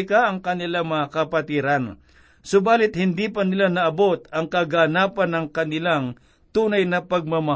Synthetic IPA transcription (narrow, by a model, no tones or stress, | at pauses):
kaʔɐŋkɐnɪlaŋmɐakɐpɐt̪iːɾɐn | sʊbaːlɪt̪̚hɪnd̪iːpɐnɪlanɐʔɐbo̞t̪̚ɐŋkɐɡanaːpɐnːɐŋkɐnɪlaŋ | t̪uːnɐjnɐpɐɡ̚mɐmɐ